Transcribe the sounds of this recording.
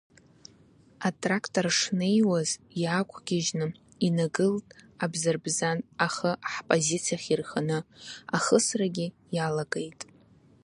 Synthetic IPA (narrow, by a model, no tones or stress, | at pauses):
atʼrakʰtʼorʂnejwazjakʷʰɡʲɪʒnɨ | inaɡɨltʼabzɨrbzanaχəʔaħpʼozit͡sʰijaχʲirχanɨaχəsraɡʲɪ | jalaɡejtʼ